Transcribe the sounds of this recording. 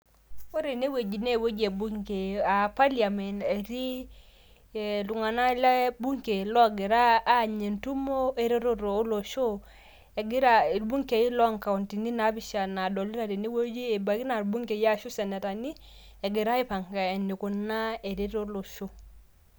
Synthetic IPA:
o˦ɾe˨ne˦we˨d͡ʒi˨ne˦˨wo˦d͡ʒe˨bu˦ŋke˨a˨pa˦lja˨me˨ne˨ɾi˦˨ | lu˨ŋa˨na˦la˦bu˦ŋke˨lɔ˦˨ɡe˨ɾaː˦˨ɲe˨ntu˦mo˦e˨ɾe˦ɾo˦ɾo˨˦lo˨ʃo˦ | e˨ɡi˦ɾa˨i˨lbu˦ŋke˨i˦lɔ˦ŋka˨u˨nti˨ni˦na˨˦bi˦ʃa˨na˨do˨li˦ɾa˨ɾi˨ne˦wo˦d͡ʒi˦e˨ba˨ki˦na˨ɾbu˦ŋke˨ja˦ʃu˦sɛ˨nɛ˨ta˨ni˦ | e˨ɡe˨ɾa˦i˦pa˨ŋɡa˨e˨ni˨ku˨na˦e˨ɾe˦ɾo˦lo˨ʃo˦

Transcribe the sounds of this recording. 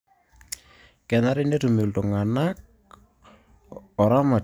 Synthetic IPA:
kɛ˨na˦ɾɪ˦ne˦tu˨me˨ltɔ˨ŋa˨nak̚ | ɔ˨ɾa˦ma˨

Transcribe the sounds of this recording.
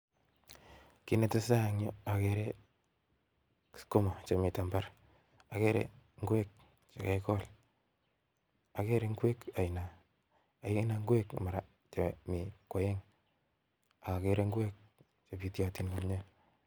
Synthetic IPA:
ki˦ne˨te˦sa˦˨ŋo˦a˨ke˨ɾe˦ | sko˦ma˨t͡ʃo˨mɪ˨ta˨mba˦ɾ | a˨ke˦ɾḛ˨ŋɡwe˦k̚ | t͡ʃe˨ke˨˦kɔ˦l | a˨ke˦ɾe˨ŋɡe˦ka˨ina˨ | a˨i˦na˨ŋɡwe˦kma˨ɾa˨ | t͡ʃe˨mi˨kwa˨je˦ŋ | a˨ka˨ke˦ɾe˦ŋɡwe˦k̚ | t͡ʃo˨pi˦tja˨ti˦nka˨mɲo˦

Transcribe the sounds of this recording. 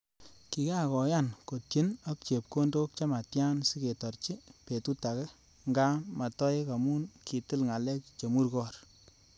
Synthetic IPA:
ki˨ka˦˨kɔ˨ja˦˨nko˨tje˦na˦k̚t͡ʃe˨p̚ko˦ndo˦k̚t͡ʃa˦ma˨tja˦nsi˦ke˨tɔ˨ɾt͡ʃi˦pe˨tu˦ta˨kɛ˦ | ŋɡa˦ma˨tɔ˦ɪ˦ka˨mu˦nki˨ti˦lŋa˨lɛ˦t͡ʃt͡ʃe˨mu˦ɾkɔ˦˨r

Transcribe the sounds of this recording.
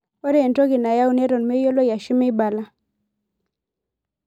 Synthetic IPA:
wɔ˦ɾe˦e˨nto˦ɡɪ˨na˨ja˦u˦ne˦ɾo˨nme˦jo˦lo˦ja˨ʃɪ˦mɪ˦ba˨la˦

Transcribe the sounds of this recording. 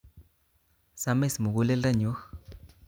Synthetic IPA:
sa˧me˦smu˨ɣu˦le˦lɾa˦˨ɲu˨˦x

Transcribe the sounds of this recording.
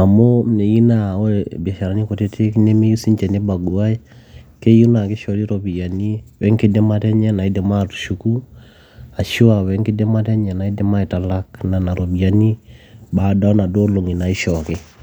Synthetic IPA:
a˨mo˦ne˨ji˦na˦˨˦bɛ˨ʃa˨ɾa˦ni˦ko˨te˦ti˦kne˦me˦ju˦si˦ɲt͡ʃɛ˨ne˦ba˨ɡu˨a˦i˦ke˦ju˦na˨kɪ˦ʃɔ˨di˦ɾo˨bi˨ja˨ni˦wɛ˦ŋki˦dɛ˦ma˦tɛ˦ɲɛ˦na˨i˦dɛ˨ma˦tu̥˨ʃu˨ku˦ | a˨ʃu˦wa˨wɛ˨˦ŋki˦dɛ˦ma˦tɛ˦ɲɛ˨na˨i˦dɛ˦ma˦i˨ta˨la˦k̚na˨na˨ɾo˨bi˨a˦ni˦ba˨da˦na˨do˦lo˨ŋi˨na˨i˦ʃɔ˨kɪ˦

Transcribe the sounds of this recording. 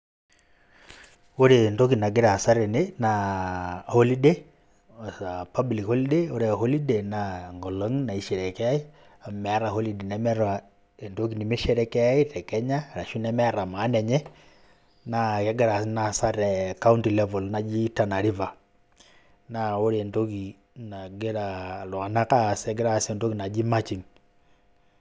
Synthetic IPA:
o˦ɾentok̬i˨na˨ɡe˦ɾa˨sa˦ɾɛ˨ne˦na | hɔ˦li˦de | sapablikhɔ˦li˦deoɾeɦɔ˦li˦denaŋɡɔ˨lɔ˦ŋna˨i˨ʃɛ˨ɾɛ˨kɛ˦a˦i˦ | a˨mɛ˨a˦ɾaɦɔ˦lide˨nɛ˦mɛɾa | e˨nto˦k̬i˨ni˨me˦ʃɛ˦ɾɛ˦kɛ˦a˦i˦tɛ˨kɛ˦ɲa˦˨ɾa˨ʃu˦nɛ˦mɛ˦ɾa˨ma˨˦nɛ˨ɲɛ˦ | na˨kɛ˦ɡɪ˦ɾa˨si˦na˨sa˦ɾɛ˨ka˦u˦nti˨lɛ˦vɔ˨lna˨d͡ʒi˦ta˨na˨ɾi˦va˨ | na˨o˦ɾe˦˨nto˦ki˨ | na˨ɡe˦ɾa˨lwa˨na˦ka˦˨sɛ˨˦ɡɪ˦ɾa˨˦se˨nto˦ki˨na˨d͡ʒi˦ma˦t͡ʃi˨ŋ

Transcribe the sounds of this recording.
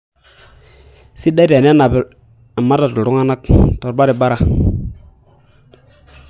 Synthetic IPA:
si˦da˦te˨n˦e˦na˨bi˨ | i˨mːa˦ta˨tu˨ɾu˦ŋa˦na˦kto˨ɾba˦ɾi˨ba˦ɾa˨

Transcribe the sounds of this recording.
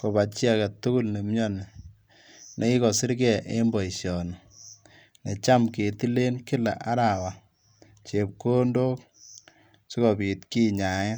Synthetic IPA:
ko˨ba˨t͡ʃi˦a˦˨ka˨tu˦ku˦lne˨mjɔ˦ne˨ | nʔe˨i˦kɔ˨sɪ˦ɾkɛ˦˨ʔḛ˦mbɔ˨i˨ʃjɔ˨nɔ˨ | ne˨t͡ʃa˦mke˨ti˦le˦nkɪ˦la̰˨ʔa˦ɾa˨wa˨ | t͡ʃe˨p̚ko˦ndo˦k | si˦kɔ˨bi˨tki˦ɲa˨ŋɛ˦

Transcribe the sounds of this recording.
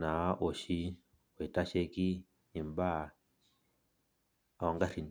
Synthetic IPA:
na˨˦ʔo˨ʃi˦ | we˨ta˦ʃe˦ki˦ | i˨mba˦˨ | wa˨ŋɡa˦ɾi˨n

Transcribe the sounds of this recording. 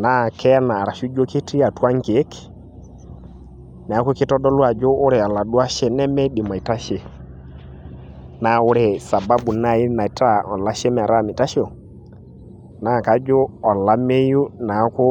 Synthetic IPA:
na˦˨kʰɛ˦naː˨ɾa˨ʃu˦d͡ʒo˦ki˦ti˦a˨twa˦ŋ˦ke˨˦k | nɛ˨a˦kʊ˦kɪ˦tɔ˦dɔ˦lwa˨d͡ʒoː˦ɾe˨a˨la˨du˦a˦ʃe˦nɛ˦mɛ˦dɪ˨ma˨i˨ta˦ʃe˨ | na˨ʊ˦ɾe˨sa˨ba˦bu˨na˦˨ɪ˦na˨˦ta˦ɔ˨la˦ʃe˦mɛ˨a˨ɾa˦˨mɪ˨ta˦ʃo˨ | na˨˦˨ka˨d͡ʒo˦ɔ˨la˦me˦ju˦na˨˦kʊ˦

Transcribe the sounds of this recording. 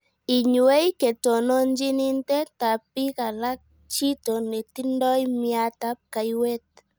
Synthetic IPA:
i˨ɲu˨e˦i˦ke˨tɔ˨nɔ˦ɲd͡ʒi˦ni˦ntɛ˦ta˨pi˦ka˨la˦k̚ | t͡ʃi˦tɔ˨ne˨ti˦ndɔ˦i˦mja˦ta˦p̚ka˨i˦we˦t̚

